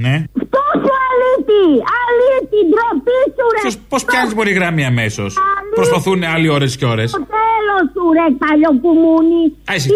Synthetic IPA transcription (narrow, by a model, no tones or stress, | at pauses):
neft̪usualit̪ialit̪id̪ɾopisuɾespospçɐzizbo̞ɾiɣɾɐmiɐmesosalipɾospaθunealio̞ɾesceo̞ɾest̪elosuɾek̚paʎopumuniɐisi